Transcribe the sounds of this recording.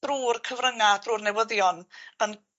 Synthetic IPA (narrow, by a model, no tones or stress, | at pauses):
d̥ruːrkʰəvrəŋad̥ruːrnɛwəðjɔnən